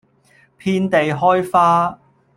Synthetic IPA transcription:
pʰiː˥nt̪e˨jɦɔː˥jfaː˥

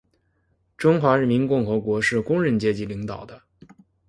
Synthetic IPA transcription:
ʈ͡ʂʊ˥ŋxwa˧˥ɻə˧˥nmi˧˥nkʊ˥˩ŋxɤ˧˥kwɔ˧˥ʂɻ̩˥˩kʊ˥ŋɻə˧˥nt͡ɕjɛ˧˥t͡ɕi˧˥li˧˥ŋt̪ɑ˨˩ʊd̪ə˦

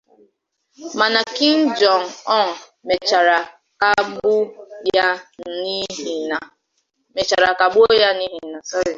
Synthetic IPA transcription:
ma˨na˨ki˦ŋ̩˦d͡ʒɔ˨n˨ɔ˦n̩˨ | me˨t͡ʃa˨ɾa˨ | ka˦ɡ͡bʊ˦ja˦˨ni˦i˨na˨ | me˨t͡ʃa˨ɾa˨ka˨ɡ͡bʊ˦ja˦ni˦ɦi˨˦na˨sɔ˦ɾe˨

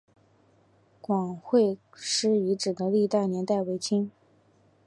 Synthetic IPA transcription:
kwɑ˨˩ŋxwe˥˧ɪʂɻ̩˥i˧˥ʈ͡ʂɻ̩˨˩d̪ə˦li˥˧t̪a˥˩ɪnjɛ˧˥nt̪a˥˩ɪwe˧˥ɪt͡ɕʰi˥ŋ

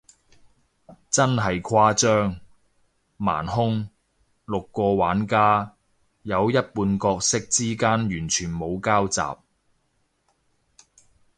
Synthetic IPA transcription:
t͡sɐ˥nɦɐ˨jkʰaː˥t͡ʃœː˥ŋ | ma̰ː˨˩nɦʊ˥ŋ | lʊ˨kːɔː˧waː˨˥nkaː˥ | jɐ˨˧wjɐ˥t̚puː˧nkɔː˧k̚sɪ˥k̚t͡siː˥kaː˥njyː˨˩nt͡ʃʰyː˨˩nmo˨˧wkaː˥wt͡sa̰ː˨p̚

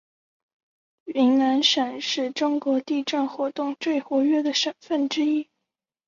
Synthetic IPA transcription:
i˧˥ŋna˧˥nʂə˨˩nʂɻ̩˥˩ʈ͡ʂʊ˥ŋkwɔ˧˥t̪i˥˧ʈ͡ʂa˥˩nxwɔ˧˥t̪ʊ˥˧ŋt͡swe˥˩ɪxwɔ˧˥ɥɛ˥d̪ə˨ʂə˨˩nfə˥˩nʈ͡ʂɻ̩˥i˥

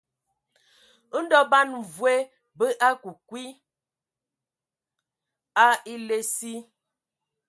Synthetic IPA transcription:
n̩˦dɔ˦ba˦n˨vwe˦ | bə˦ʔa˦ku˨kwi˦ | a˦i˦le˦si˦

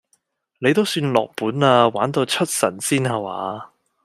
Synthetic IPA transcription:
le˨˧jt̪o˥wsyː˧nlɔː˨k̚puː˨˥naː˧waː˨˥nt̪o˧wt͡ʃʰɵ˥t̚sɐ̰˨˩nsiː˥naː˧wa̰ː˨˧

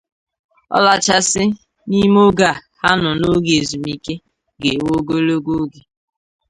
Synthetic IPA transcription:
ɔ̰˦la˦t͡ʃa˦sɪ˦ | ni˦m˦o˦ɡa˨ha˦nʊ˨no˦ɡe˨zu˨mi˦ke˦ | ɡe˨wo˦ɡo˦lo˦ɡo˦ɡe˨

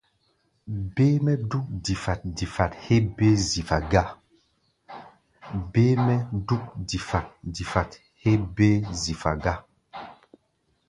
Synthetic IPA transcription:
beː˦mɛ˦du˦k̚di˨fa˨t̚di˨fa˨the˦be˦zi˨fa˨ɡa˦ | beː˦mɛ˦du˦k̚di˨fa˨t̚di˨fa˨t | he˦be˦zi˨fa̰˨ɡa˦

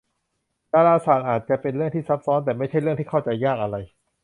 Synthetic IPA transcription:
daː˧ɾaː˧saː˨˩t̪̚ʔaː˨˩t̪̚t͡ɕa˧˩pe˧nɾɯ˥˩əŋt̪ʰiː˥˩sa˦˥p̚sɔː˦˥nt̪ɛː˨˩ma˥˩jt͡ɕʰa˥˩jɾɯ˥˩əŋt̪iː˥˩a˥˩wt͡ɕa˧jːaː˥˩k̚ʔa˧ɾa˧j

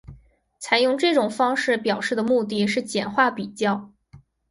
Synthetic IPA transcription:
t͡sʰa˨˩ɪjʊ˥˧ŋʈ͡ʂɤ˥˩ʈ͡ʂʊ˨˩ŋfɑ˥ŋʂɻ̩˥˩pjɑ˨˩ʊʂɻ̩˥˩d̪ə˩mu˥˧t̪̬i˥˧ʂɻ̩˥˩t͡ɕjɛ˨˩nxwa˥˩pi˨˩t͡ɕjɑ˥˩ʊ

